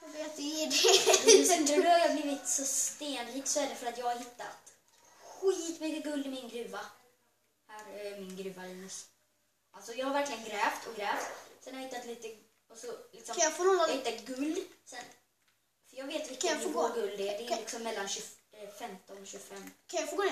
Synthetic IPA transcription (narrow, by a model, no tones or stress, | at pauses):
ɔved̪ɛdɛsnʉːhaɾjɑːbliːvɪt̪sɔst̪eːnɾiːksɔæːɖɛfœɾat̪jɑːɡhaɾɦɪt̪ːat̪ | ɧiːt̪mʏkːəɡɵld̪ɪmɪnɡɾʉ̟ːva | hæːɾmɪnɡɾʉ̟ːvaɪs | ʔalt̪sɔjɑːɡhaɾvæɾklɪɡənɡɾɛːft̪ʰɔɡɾɛːft̪sɛnhaɾhɪt̪ːat̪liːt̪ə | ɔsɔlɪksɔjɑfoːnɔːɔɡlɪːt̪ːəɡɵld̪sɛn | fœɾjɑːɡveːt̪ɪkʰajɑfoːɡoːɡɵld̪ɛd̪ɛlɪksɔmːɛlːanɕɵ | fɛmt̪ɔnɔɕɵfɛmːkʰajɑfoːɡoːn